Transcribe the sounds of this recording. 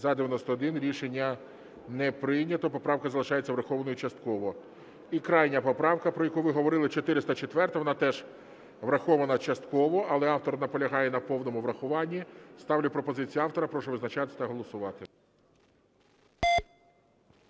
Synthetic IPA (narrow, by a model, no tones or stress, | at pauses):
zɐd̪eʋʲjɐnɔsʲt̪ɔːd̪ɪnɾʲiʃenʲːɐ | nɛpɾɪjnʲɐt̪ɔpɔpɾɑwkɐzɐlˠɪʃɑjet͡sʲːɐʋɾɐxɔʋɐnɔjʊt͡ʃɐst̪̚kɔʋɔ | ikɾɑjnʲɐpɔpɾɑwkɐpɾɔjɐkuʋɪɦɔʋɔɾɪlˠɪt͡ʃɔt̪ɪɾɪst̪ɐt͡ʃet̪ʋɛrt̪ɐʋɔnɑt̪ɛʒ | ʋɾɐxɔʋɐnɐt͡ʃɐst̪kɔʋɔɐlˠɛɑwt̪ɔrnɐpɔlʲɐɦɑjɛnɐpɔwnɔmʊʋɾɐxʊʋɑnʲːist̪ɑwlʲɐpɾɔpɔzɪt͡sʲijuɑwt̪ɔɾɐpɾɔʃɔʋɪznɐt͡ʃɑt̪ɪ̥t̪ɐɦɔlˠɔsʊʋɑt̪ɪ